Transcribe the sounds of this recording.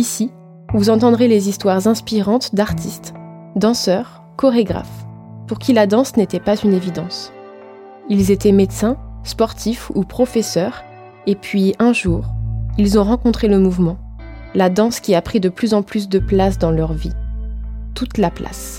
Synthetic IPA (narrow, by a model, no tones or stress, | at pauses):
isi | vuzɑ̃t̪ɑ̃d̪ʁelezist̪waʁzɛ̃spiʁɑ̃t̪d̪aʁt̪ʰist̪ | d̪ɑ̃sœʁ | kɔʁeɡʁa̰fpuʁkʲilad̪ɑ̃snet̪ɛpazynevid̪ɑ̃s | ilzet̪ɛmet̪sɛ̃spɔʁt̪ʰifupχɔfɛsœʁ | epɥiɛ̃ʒuːʁilzɔ̃ʁɑ̃kɔ̃t̪χeləmuvmɑ̃ | lad̪ɑ̃skʲiapχid̪əplyzɑ̃plys̬d̪əplasd̪ɑ̃lœʁvi | t̪ut̪lapla̰s